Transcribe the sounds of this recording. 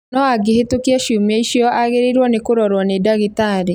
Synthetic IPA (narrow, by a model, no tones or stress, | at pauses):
nɔaɡehetokiaʃjumaiʃjɔʔaɣeɾeɾwɔnekoɾɔɾwɔnedaɣitaɾe